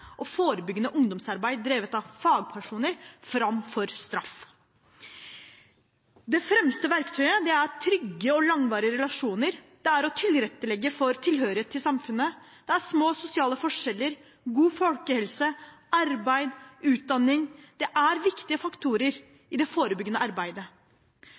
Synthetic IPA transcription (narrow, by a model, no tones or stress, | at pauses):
ʔɔfoːɾəbʏɡːənəʔʊŋd̪ɔmsɑɾbæɪd̪ɾeːʋət̪ɑʋfɑːɡ̚pʰæʂuːnəɾfɾɑmfɔɾst̪ɾɑf | d̪ɛfɾɛmst̪əʋæɾkt̪ʰœʏəd̪ɛæɾt̪ʰɾʏɡːəɔlɑŋʋɑːɾɪəɾɛlɑʂuːnəɾ | d̪̥ɛæɾɔt̪ʰɪlɾɛt̪ːəlɛɡːəfɔɾt̪ʰɪlhøːɾɪheːt̪ʰːɪsɑmfʉnːə | d̪̥ɛæʂmoːsʊsɪɑːləfɔʂɛlːəɾ | ɡuːfɔlkəhɛlsəɑɾbæɪd̪ʉːt̪̚d̪ɑnːɪŋd̪̥ɛʔæɾʋɪkt̪ɪəfɑkt̪ʰuːɾəɾ | ɪd̪ɛfoːɾəbʏɡːənəɑɾbæɪd̪ə